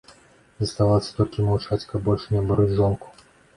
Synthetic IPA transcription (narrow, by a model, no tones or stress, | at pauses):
zɐst̪avalˠsʲɐ̥t̪ɔlʲkʲimawt͡ʂat͡sʲkɐb̚bɔlʲʂnʲɛbaɾud͡zʲʐɔnku̥